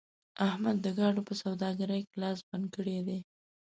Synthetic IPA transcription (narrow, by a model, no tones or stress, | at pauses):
ahmad̪ːəɡɑɖopəsawd̪ɑɡaɾəjkelɑsbankəɽed̪e